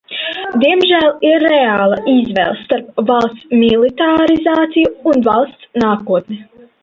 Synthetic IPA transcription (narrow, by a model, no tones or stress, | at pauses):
d̪iɛmʒæːliɾːeaːlˠaizvɛ̰lˠsːt̪aɾpvalˠst̪smilˠit̪aɾizaːt̪sijuːnvalˠst̪snaːkuɔt̪ni